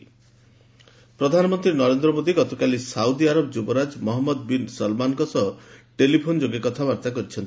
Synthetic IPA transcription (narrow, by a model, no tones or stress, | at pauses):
pɾɔd̪ʱanɔmɔnt̪ɾinɔɾend̪ɾɔmod̪iɡɔt̪ɔkalisaud̪iaɾɔbd͡ʒubɔɾad͡ʒmɔɦɔmːɔd̪̚binsɔlmankɔsɔʈelipʰond͡ʒoɡekɔt̪ʰabaɾt̪akɔɾit͡ʃʰɔnt̪i̥